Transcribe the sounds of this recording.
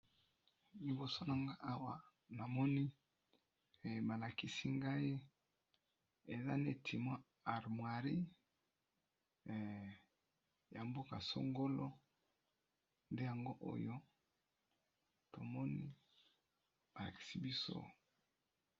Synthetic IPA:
li˦bo˨so˦na˨ŋɡa˦a˦wa˨ | na˨mɔ˦ni˦˨ | ma˨la˨ki˨si˦ŋɡa˦i˦ | e˨za̰˦ne˦˨tʰi˨mwa˦ | a˨ʁmwa˨ʁi˦˨ | ja˨mbo˦ka˨so̰˦ŋɡo˦lo˦ | nde˦ja˨ŋɡo˦ʔo̰˦jo˦ | to˨mɔ˦nḭi˦ | ma˨la̰˨ki̥˨si˦bi˦so̰˦

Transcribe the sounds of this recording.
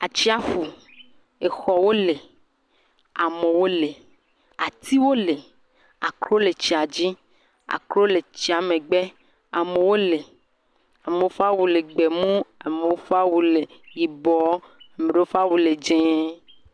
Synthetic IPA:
a˨t͡ʃi˦a˦fu˨ | e˨xɔ˨wo˦le˨ | a˨me˨wo˦le˨ | a˨t̪i˦wo˦le˨ | a̰˨kɾo˦le˨t͡ɕi˨a˨d͡ʑi˦ | a̰˨kɾo˦le˨t͡ɕi˦a˨mẽ˨ɡ͡be˦ | a˨me˨wo˦le˨ | a˨me˨wo˦fa˦wu˨le˨ɡ͡be˨mũ˦a˨me˨o˦fa˦wu˨le˨ji˨bɔ˨˦a˨me˨ɖe˦o˦fa˦wu˨le˨d͡ʒẽ˦

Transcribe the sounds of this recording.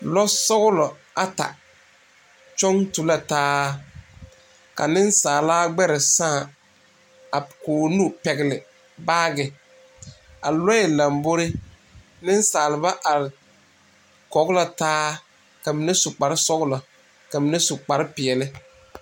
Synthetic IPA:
lɔ˦sɔ˦ɣʊ˦lɔ˨ | a˨ta̰˨ | t͡ʃɔ˦ŋtu˨la˨taː˦ | ka̰˨nɪ˦nsaː˨laː˦ɡ͡bɛ˦ɾɪ˨sãː˦˨ | a˨koː˨nu˦pɛ˨ɣɪ˨lɪ˨ | baː˦ɡɪ˨ | a̰˨lɔ˦ɛ˨la˨mbo˦ɾɪ˦ | nɪ˦n˦saː˨lɪ˨ba˦ʔa˨ɾɪ˨ | kɔ˨˦ɣla˨taː˦ | ka˨mi˨ne˦sʊ˨k͡pa˨˦ɾɪ˦sɔ˦ɣʊ˦lɔ˨ | ka˨mi˨ne˦sʊ˨k͡pa˨ɾɪ˦pɪ˨ɛ˨lɪ˦

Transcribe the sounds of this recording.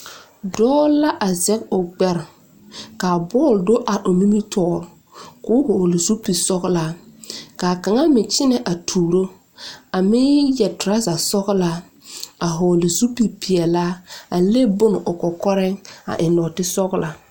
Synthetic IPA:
dɔː˦la˦ʔa˨zɛ˦ko˨ɡ͡bɛ˦ɾ | kaː˨bɔː˦˨ldo˦ʔa˨ʔo˨mi˦mi˦tʰɔː˦˨ɾ | kʊ˦hoː˨lɪ˨zu˦pi˨sɔ˦ɣla˦kaː˨ka˨ŋa˦mɪ˨t͡ʃɪ˦nɛ˨ʔa˨tʰuː˨ɾo˦ | a˨mɪ˦jɛ˨tɾa˦za˨sɔ˦ɣla˦ | a˨ɦo˨lɪ˨zu˦pi˨pi˨ɛ˨la˦a˨le˦bʊ˦nɪ˨ʔʊ˨kɔ˨kɔ˦ɾɛ˦ŋa̰˨ʔɪ˨nɔ˨tɪ˦sɔ˦ɣla˨

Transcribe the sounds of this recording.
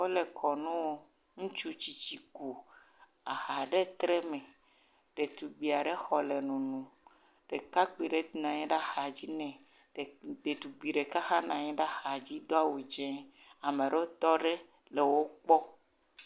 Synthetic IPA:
wo˦le˨kʰɔ˨nũ˦wo˦ | ŋũ˦t͡ʃu˦t͡ɕi˨t͡ɕi˨ku˨ | a˨xa˨ɖe˦t̪ɾe˦mẽ˨ | ɖ̥e˨t̪u˨ɡ͡bi˨a˨ɖe˦xɔ˨le˨nũ˨nũ˨ | ɖ̥e˨ka˦k͡pi˨ɖe˦nã˨ɲɛ̃˦ɖa˦xa˨d͡ʑi˦nɛ̃˨ | de˨t̪u˨ɡ͡bi˨ɖe˨ka˦xa˦nã˨ɲĩ˦ɖa˦xa˨d͡ʑi˦d̪o˦a˦wo˨d͡ʒɛ̃˦ | a˨mẽ˨ɖe˦wo˦t̪ɔ˦ɖe˦ | le˨wo˦k͡pɔ˦

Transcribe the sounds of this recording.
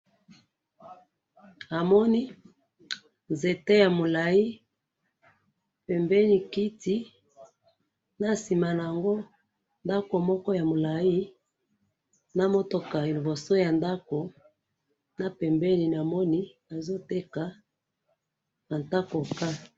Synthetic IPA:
a˨mɔ˦ni˦ | nze˨te˦ja˨mo˨la˨i˦ | pɛ˨mbɛ˦ni˨ki˦ti˦ | na˨si˨ma˨na˨ja˨ŋɡo˦ | nda˦ko˨mɔ˦kɔ˦ja˨mo˨la˨i˦ | na˨mo˦to˨ka˨e˨lo˨bo˨so˦ja˨nda˦ko˨ | na˨pɛ˨mbɛ˦ni˨n˨a˨mɔ˦ni˦ | a˨zo˦te˦ka˨ | ma˨nta˦ko˨ka˦

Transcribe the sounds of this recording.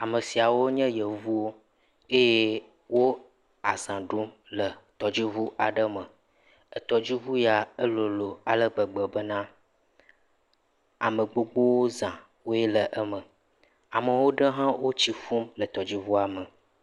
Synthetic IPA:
a˨mə˨si˨a˨wo˦ɲə̃˦jə˨vu˦o˦ | e˦je˦ | wo˦ | a˨zã˨ɖu˦m | lə˨t̪ɔ˨d͡ʑi˦vu˦ʔa˨ɖə˦mə˨ | ə˨t̪ɔ˨d͡ʑi˦vu˦ja˨ə˦lo˨lo˨a˨lə˦ɡ͡bə˨ɡ͡bə˨bə˦nã˦ | a̰˨mə˨ɡ͡bo˦ɡ͡bo˦wo˦zã˨ | wo˦je˦lə˨ʔə˦mə˨ | a˨mə˨wo˦ɖə˦ɦã˦wo˦t͡ɕi˦fu˦mlə˨t̪ɔ˨d͡ʑi˦vu˦a˨mə˨

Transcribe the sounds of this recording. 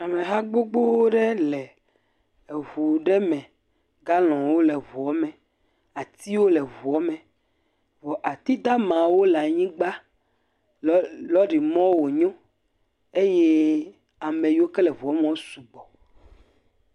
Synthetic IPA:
a˨mẽ˨ɦa˦ɡ͡bo˦ɡ͡bo˦wo˦ɖɛ˦lɛ˨ | vu˨ɖɛ˦mɛ̃˨ | ɡa˦lɔ̃˨wo˦lɛ˨vu˨ɔ˦mɛ̃˨ | a˨t̪i˦wo˦lɛ˨vu˨ɔ˦mɛ̃˨ | vɔ˨ʔa˨t̪i˦d̪a˦mã˨wo˦lɛ˨a˨ɲĩ˦ɡ͡ba˦ | lɔ˦ɖi˨mɔ̃˦wo˨ɲɔ̃˦ | e˦jɛ˦ | a˨mẽ˨ji˦o˦kɛ˦lɛ˨vu˨ɔ˦mẽ˦wo˦su˨ɡ͡bɔ˨

